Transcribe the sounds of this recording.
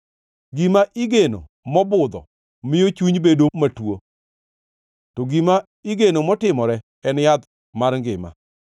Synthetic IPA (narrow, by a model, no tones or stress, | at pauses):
ɡimaʔiɡeno̰ | mɔbʊd̪ɔ̰ | mɪjot͡ʃuɲbedomatwo | tɔɡima | iɡenomɔtɪmɔɾɛ | ɛnjad̪ | maɾŋɡɪma̰